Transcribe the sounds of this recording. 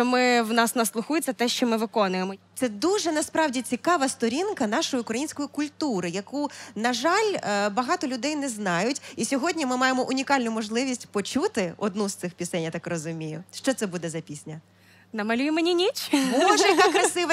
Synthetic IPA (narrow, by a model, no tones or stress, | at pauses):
ɔmɪwnɑsnɐslˠʊxujet͡sʲːɐt̪ɛʃt͡ʃɔmɪʋɪkɔnʊjemɔt̪sɛd̪uʒɛnɐspɾɑwdʲit͡sʲikɑʋɐst̪ɔɾʲinkɐnɑʃɔjiʊkɾɐjinʲsʲkɔjikʊlʲt̪uɾɪjɐkunɐʒɑlʲbɐɦɑt̪ɔlʲʊd̪ɛjnɛznɑjʊtʲisʲɔɦɔdʲnʲimɪmɑjemɔʔʊnʲikɑlʲnʊmɔʒlˠɪʋʲisʲtʲpɔt͡ʃut̪ɪɔd̪nust̪sɪxpʲisɛnʲjat̪ɑkrɔzʊmʲijʊ̰ʃt͡ʃɔt̪sɛbud̪ɛzɐpʲisʲnʲɐ | nɐmɐlʲujɪmenʲinʲit͡ʃmɔʒɛjɐakɾɐsɪʋɐ